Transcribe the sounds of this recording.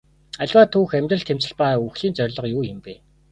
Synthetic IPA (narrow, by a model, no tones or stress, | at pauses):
aɮʲwaːt̪ʰuːxæmʲt̪rə̆ɬt̪ʰem̥t͡ɕɪ̆ɮpaːuxɮiːnt͡sœrʲɮɞ̆qjuːjɪ̆mpe